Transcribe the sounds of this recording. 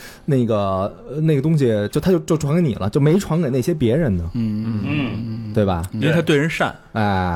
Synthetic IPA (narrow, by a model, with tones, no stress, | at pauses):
ne˥˩ɪɡə˩˧ | ne˥˩ɡət̪̬ʊ˥ŋɕ̬i˨˩t͡ɕjo˥˩ʊt̪ʰa˥t͡ɕo˥˧ʊt͡ɕjo˥˩ʊʈ͡ʂʰwɑ˧˥ŋke˧˥nḭ˨˩lə˦t͡ɕjo˥˩ʊme˧˥ɪʈ͡ʂʰwɑ˧˥ŋke˨˩ne˥˩ɕjɛ˥p̬jɛ˧˥ɻə˧˥nd̪ə˧n̩˥˩t̪we˥˩ɪbɐ̰˩i˥e˧t̪ʰa˥twɪɻə˧˥nʂa̰˥˩nɛ˥˩